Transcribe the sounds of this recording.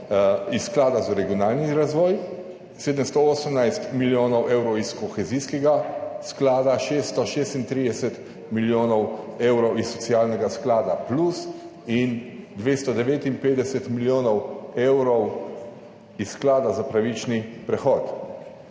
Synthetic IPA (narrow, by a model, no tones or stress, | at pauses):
isːklaːd̪azaɾɛɡijɔnaːlniɾazʋɔːj | seːd̪əmst̪ɔoːsəmnajst̪miljoːnɔwʔewɾɔwiskɔxɛziskɛɡasklaːd̪aʃeːst̪ɔʃeːst̪int̪ɾiːd̪ɛsɛt̪ | miljoːnɔweːwɾɔwisːɔt̪siaːlnɛɡasklaːd̪aplus | ind̪ʋeːst̪ɔd̪ɛʋeːt̪inpeːd̪ɛsɛt̪miljoːnɔwewɾɔw | isːklaːd̪azapɾaʋit͡ʃnipɾɛxɔːt̪